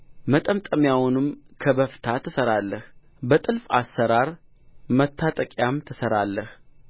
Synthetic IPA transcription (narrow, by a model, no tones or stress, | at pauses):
mət̪ʼəmt̪ʼəmjawunɨmkʰəbəft̪ʰat̪ʰəsəɾalːəh | bət̪ʼɨlfa̰sːəɾaɾ | mət̪ʰːat̪ʼəkʼjamt̪ʰəsəɾalːəh